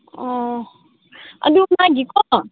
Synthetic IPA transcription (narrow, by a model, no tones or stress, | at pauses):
ɔ | ə̰dumãɡikɔ